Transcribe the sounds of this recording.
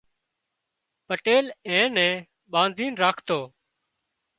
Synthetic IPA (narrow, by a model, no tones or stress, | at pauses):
pəʈeːlɛ̃ːnɛ̃ː | ɓãːnd̪ʱiːnɾaːkʰt̪oː